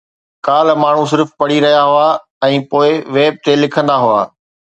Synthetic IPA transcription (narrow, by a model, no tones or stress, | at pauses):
kaːlmaːɳ̤ũs̬ɪɾfpɐɽiɾɐɦijaɦʊa | ɛ̃ːpoːɪʋeːb̚t̪elɪkʰə̃nd̪aɦʊa̰ː